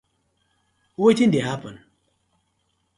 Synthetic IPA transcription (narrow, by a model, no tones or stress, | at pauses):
wotin̩dehapən